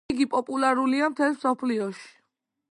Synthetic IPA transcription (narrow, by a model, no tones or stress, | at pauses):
ɡipʼɔpʼulaɾuliamt̪ʰɛlmsɔpʰliɔʃi̥